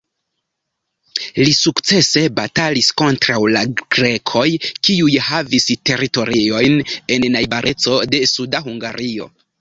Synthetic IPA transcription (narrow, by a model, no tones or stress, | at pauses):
lisukt͡se̞se̞batalisko̞ntɾawlaɡ̥ɾe̞kʰo̞jkiujhaviste̞ɾito̞ɾio̞jne̞nːajbaɾʔe̞t͡so̞de̞sudaɦuŋɡaɾio̞̰